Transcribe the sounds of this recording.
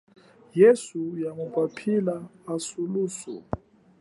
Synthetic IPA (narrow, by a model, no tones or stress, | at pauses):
jesujamukʼapʰilaːsuluːsɔ̰